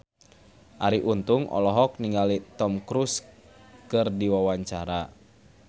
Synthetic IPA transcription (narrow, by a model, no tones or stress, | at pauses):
ʔaɾiʔunt̪uŋʔɔ̰lɔɦɔk̚niŋɡalit̪ɔmkɾus | kɨrdiwawaɲt͡ʃaɾa